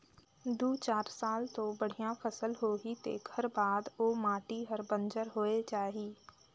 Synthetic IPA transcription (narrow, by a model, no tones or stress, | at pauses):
d̪uːt͡ʃaːɾsaːlt̪obəɽ̤ijãpʰəsəlɦoːɦit̪ḛːɡʱəɾbaːd̪oːmaːʈiɦəɾbə̃nd͡ʒəɾɦoːet͡ʃaːɦiː